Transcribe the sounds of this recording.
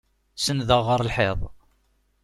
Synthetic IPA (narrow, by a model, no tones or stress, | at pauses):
sənðəʁəɾˤlħeðˤ